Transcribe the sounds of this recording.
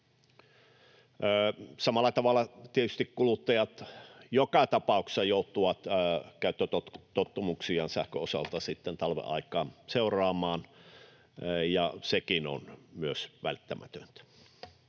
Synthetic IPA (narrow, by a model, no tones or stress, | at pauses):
sɑmɑlːˑɑt̪ɑʋɑlːˑɑt̪iet̪yst̪ikkulut̪ːɑjɑt̪jokɑt̪ɑpɑˑukse̥sɑjout̪ːˑuʋɑt̪ːkæˑyt̪ːøt̪ott̪ot̪ːumuksiɑnsæhkøosɑ̰lt̪ɑsit̪ːent̪ɑlʋḛʔɑ̰ikˑɑːnseˑurɑːmɑːn | jɑsekino̰nmyøsʋæ̰lt̪ːæmʔæ̰t̪ø̰nt̪æ